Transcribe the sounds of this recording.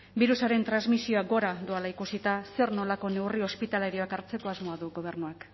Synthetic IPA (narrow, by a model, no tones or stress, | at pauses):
biɾusaɾe̞nt̪ɾanzmisio̞aɡo̞ɾaðualaikusit̪ase̞ɾno̞lako̞ne̞wrio̞spit̪aleɾio̞akaɾt͡se̞ko̞azmo̞aðuɡo̞β̞e̞ɾnuak